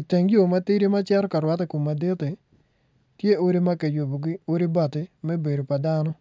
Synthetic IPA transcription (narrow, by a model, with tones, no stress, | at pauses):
i˨te˨ŋjo˨ma˦tɪ˦ɾi˦ma˦t͡ʃɛ˦ɾɔ˦ka˨ɾwa˦te˦ku˨ma˨de˦tɪ˨ | tje˦o˦ɾi˦ma˦ke˨jo˨bo˨ɡi˦o˦ɾi˦ba˨tɪ˦mɛ˦be˨do˨pa˨da˦nɔ˦